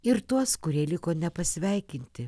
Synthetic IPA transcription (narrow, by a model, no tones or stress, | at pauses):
ɪɾt̪uɔskʊɾʲiɛlʲɪkoːnʲɛpɐsʲʋʲɛˑɪkʲɪnʲt̪ʲɪ